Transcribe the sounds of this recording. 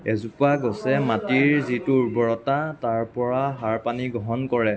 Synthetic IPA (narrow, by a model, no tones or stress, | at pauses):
ɛzupaɡɔsɛmatiɹzituɹbɔɹɔtataɹpɔɹaɦaɹpaniɡɔɦɔnkɔɹɛ